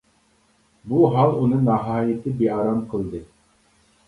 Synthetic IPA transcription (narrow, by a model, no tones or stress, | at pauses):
buɦɑlˠunɯnɑɦɑːjit̪ʰɪbeɑɾɑmqʰɨlˠd̪ɯ